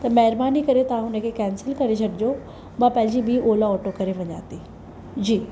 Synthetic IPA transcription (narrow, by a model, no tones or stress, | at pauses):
t̪ɐmɛɦɪɾbaːnikɐɾet̪ɐʋ̤ãɦʊnə̆kʰekɛ̃ːnsɪlkɐɾet͡ɕʰɐʈɪd͡ʑo | mãpɐ̃ɦɪ̃d͡ʑibʱiʔoːlaɔːʈokɐɾeʋɐɲa̰ːt̪i | d͡ʑiː